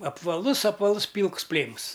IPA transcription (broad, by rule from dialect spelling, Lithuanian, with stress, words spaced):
ɐpʋɐˈlˠʊs ɐpʋɐˈlˠʊs ˈpʲiːlˠks ˈpʲlʲeːms